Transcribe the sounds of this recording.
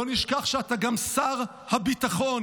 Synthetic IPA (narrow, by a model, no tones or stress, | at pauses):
oniʃkaχʃeataɡamsaʁ | habitaχon